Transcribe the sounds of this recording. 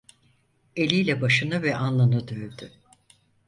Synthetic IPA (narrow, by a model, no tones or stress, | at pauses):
e̞lʲijlʲɛbaʃɯnɯvɛʔanlˠanɯd̪øjd̪y